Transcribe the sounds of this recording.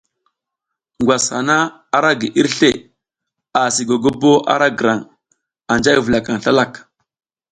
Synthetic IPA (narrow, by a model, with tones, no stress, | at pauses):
ŋɡwa˨sha̰˨na˦ | a˦ɾa˦ɡi˨ʔi˦ɾɬe˦˨ | a˨si˨ɡo˨ɡo˦bo˦ʔa̰˦ɾa˦ɡə˨ɾa˨ŋ | a˨nd͡ʒa˦i˦və˨la˨ka˨ŋɬa˦la˦˨k